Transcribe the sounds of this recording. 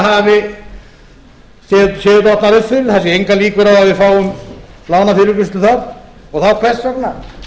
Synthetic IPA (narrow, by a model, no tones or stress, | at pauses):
avɪ | sɛðsɛːðt̪ɔht̪naɾʏfʏlθɛsːɪejŋkaliːkvʏɾawavɪfaːwʏmlaːwnafɪɾʏkʏst̪lʏθaɾ | ɔɣθawkʰvɛ̥t̪sakna